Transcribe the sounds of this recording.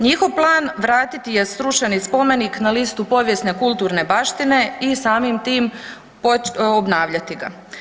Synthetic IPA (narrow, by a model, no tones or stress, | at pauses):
ɲixo̞ʋplˠaːnʋɾaːt̪it̪ijesɾuʃenispo̞me̞niknalist̪upo̞ʋjesne̞kulˠt̪uːɾne̞baːʃt̪ine̞isaːmimt̪iːm | poobnaːʋʎat̪iɡa̰